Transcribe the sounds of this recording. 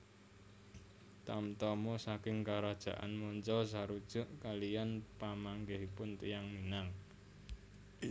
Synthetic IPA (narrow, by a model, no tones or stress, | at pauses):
t̪amt̪ɔmɔsakɪŋkaɾad̥ʒ̥a̤ʔa̰nmɔnt͡ʃɔs̬aɾud̥ʒ̥ʊ̤ʔkalijanpamaŋɡeɦipʊnt̪ijaŋminaŋ